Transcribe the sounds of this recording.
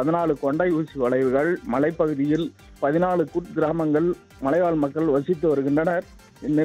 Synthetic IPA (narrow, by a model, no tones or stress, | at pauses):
pɐðɪnaːɭɯkɔɳɖɐɪuːsiʋɐɭɐɪʋɯɣɐɭmɐɭɐɪpːɐɣɯðɪjɪl | pɐðɪnaːɭɯkʊʈɡɪɾaːmɐŋɡɐɭ | mɐlɐɪʋaːɭmɐkːɐɭʋɐsɪt̪̬ːɯʋɐɾɯɣɪndrɐnɐɾ | ɪnːɪ